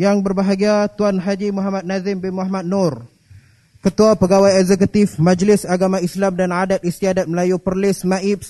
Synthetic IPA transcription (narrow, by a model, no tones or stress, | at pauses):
jaŋbərbaɦaɡiat̪uanɦad͡ʒimuɦamat̪̚nazɪmbɪnmahmat̪̚nɔr | kət̪uapəɡawajɛkzɛk̬ut̪ɪfmãd͡ʒlɪsaɡamãislamdanadat̪̚ist̪iadat̪̚məlajupərlɪsmaip̚s